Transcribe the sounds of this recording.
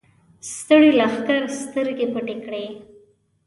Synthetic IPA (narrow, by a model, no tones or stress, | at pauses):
st̪əɽilaxkaɾst̪əɾɡepəʈekɽe